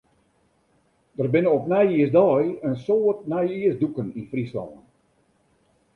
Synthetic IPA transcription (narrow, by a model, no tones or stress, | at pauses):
d̥ərbɪnəɔpnɛjiəsdɔjənsoːətnɛjiəsdukəninfrislɔ̰ːn